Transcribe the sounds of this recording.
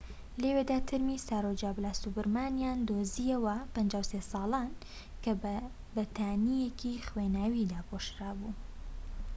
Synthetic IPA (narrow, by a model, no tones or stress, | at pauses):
lewed̪aːt̪ʰɨɾmisaːɾod͡ʒaːblaːst̪ubɨɾmaːnjaːnd̪oziɐwɐpənd͡ʒaːwsesɑːlaːn | kɐ | bɐt̪ʰaːnijekʰixwenaːwid̪aːpʰoʃɾaːbuː